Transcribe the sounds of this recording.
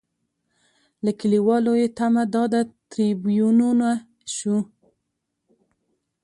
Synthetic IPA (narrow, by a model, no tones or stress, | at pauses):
lakəliwɑlojet̪amad̪ɑd̪at̪ɾibjununa | ʃu